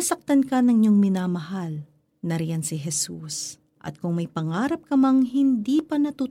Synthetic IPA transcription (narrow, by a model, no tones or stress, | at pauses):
ɐsɐk̚t̪ɐnkɐnɐŋɲoŋmɪnaːmɐhal | nɐɾijɐnsɪɦɛsus | ʔɐ̰t̪̚kʊŋmɐjpɐŋaːɾɐp̚kɐmɐŋɦɪnd̪iːpɐnɐt̪uː